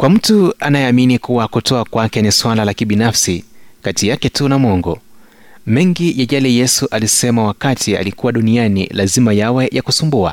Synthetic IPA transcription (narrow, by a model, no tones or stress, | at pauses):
kwam̩tuanajɛaminikuwakutɔakwakɛniswalalakiɓinafsikatijakɛtunamɔŋɡɔ | mɛŋɡijaʄalɛjɛsuʔalisɛmawakatʰia̰likuwaɗunianḭlazimajawɛjakusumbua̰